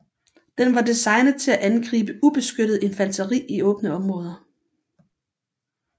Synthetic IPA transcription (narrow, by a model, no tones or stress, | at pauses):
d̥enʋɑ̈disɑ̈ɪnð̩ˠt͡sʰe̝læʔænɡ̥ʁḭːb̥əʔub̥e̝sɡ̥øɾ̥ð̩ˠe̝nfænt͡sʰɐʁḭːiɔ̽ːb̥ənəɒ̽mʁɔ̽ːð̞ˠɐ